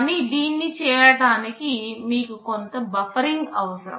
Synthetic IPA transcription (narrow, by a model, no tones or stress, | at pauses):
nid̪iːnːit͡ʃɛːɾɐʈaːnikimiːkukont̪ɐbɐfʰɐɾiŋɡɐʋɐsɐɾɐ̰